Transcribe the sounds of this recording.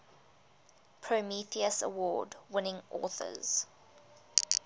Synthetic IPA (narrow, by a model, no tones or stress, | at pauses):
pʰɹəmiθiəsə̰wɔːdwɪnɪ̃ŋʔɔ̰ːˑθə̰z̥